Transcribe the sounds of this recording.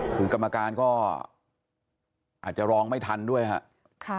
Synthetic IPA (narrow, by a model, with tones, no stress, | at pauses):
kʰɯː˧ka˧mːa˧kaː˧nkɔː˥˩ | ʔaː˨˩t̪̚t͡ɕa˨˩ɾɔː˧ŋma˥˩jt̪ʰa˧ndu˥˩əjkʰa̰˦˥ʔ | kʰ